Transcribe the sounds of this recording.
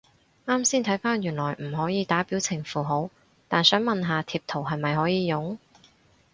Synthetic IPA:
ŋaː˥msiː˥nt̪ʰɐ˨˥jfaː˥njyː˨˩nlɔː˨˩jm̩˨˩ɦɔː˨˥jiː˨˧t̪aː˨˥piː˨˥wt͡sʰɪ˨˩ŋfuː˨˧ɦo˨˥w | t̪aː˨nsœː˨˥ŋmɐ˨nɦaː˨˧t̪ʰiː˧p̚t̪ʰo˨˩wɦɐ˨jmɐ˨jɦɔː˨˥jiː˨˧jʊ˨˥ŋ

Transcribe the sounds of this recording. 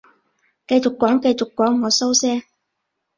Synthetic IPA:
kɐ˧jt͡ʃʊ˨kːɔː˨˥ŋkɐ˧jt͡sʊ˨kːwɔː˨˥ŋːɔː˨˧so˥wsɛː˥

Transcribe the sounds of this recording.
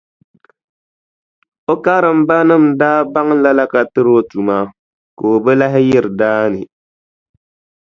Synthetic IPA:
o˦ka˦ɾɨ˨m̩˦ba˦nɨ˦˨mdaː˦ba˦ŋ˦la˦la˦ka˨tɨ˦ɾo˦tu˨maː˦ | ko˨o˨bɛ˦la˦ɦɪ˦jɪ˦ɾɨ˨daː˦nɨ˨

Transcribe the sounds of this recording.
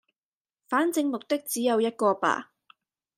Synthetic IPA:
faː˨˥nt͡sɪ˧ŋmʊ˨k̚t̪ɪ˥k̚t͡siː˨˥jɐ˨˧wjɐ˥t̚kɔː˧pa̰ː˨˩

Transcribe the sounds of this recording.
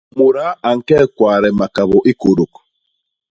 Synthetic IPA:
mu˨ɾa˦a˨ŋ̩˨kɛ˦˨kwaː˨ɾɛ˨ma˨ka˨βɔ˨ʔi˦ko˨ɾo˨k

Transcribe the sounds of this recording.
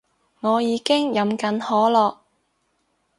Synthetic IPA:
ŋɔː˨˧jiː˨˧kɪ˥ŋjɐ˨˥mkɐ˨˥nhɔː˨˥lɔː˨k̚

